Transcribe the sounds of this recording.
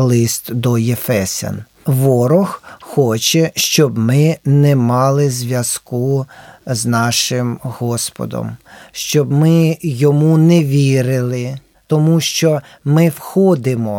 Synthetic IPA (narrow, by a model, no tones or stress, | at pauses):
lˠɪst̪d̪ɔjefɛsʲɐ̰n | ʋɔɾɔxxɔt͡ʃɛʃt͡ʃɔbmɪnɛmɑlˠɪzʲʋʲjɐz̥kuznɑʃɪmhɔspɔ̰d̪ɔ̰mʃt͡ʃɔbmɪjɔmunɛʋʲiɾɪlˠɪ | t̪ɔmuʃt͡ʃɔ | mɪwxɔd̪ɪmɔ